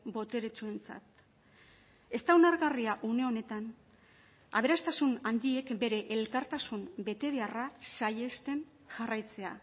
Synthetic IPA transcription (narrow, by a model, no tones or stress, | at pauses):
bo̞t̪e̞ɾet͡ʃue̞nt͡sa̰t̪ | e̞st̪awnaɾɣariaʔune̞o̞ne̞t̪an | a̰β̞e̞ɾast̪asunand̪ie̞kbe̞ɾe̞ʔelkaɾt̪asumbe̞t̪e̞ɾiarasaje̞st̪e̞n | ʝarajt͡se̞a̰